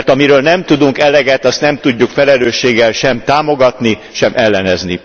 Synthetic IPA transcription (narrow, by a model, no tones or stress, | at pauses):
rt̪ɒmiɾøːlnɛmt̪ud̪uŋkɛlɛɡɛt̪ɒst̪nɛmt̪uɟːukfɛlɛløːʃːeːɡːɛlʃɛmt̪aːmo̞ɡɒt̪ni | ʃɛmʔɛlːɛnɛznḭ